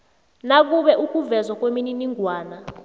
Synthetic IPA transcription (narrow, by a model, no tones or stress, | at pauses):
nak̬uɓɛʔuk̬ʼuvɛzwak̬ʼwemininiŋʱwaːna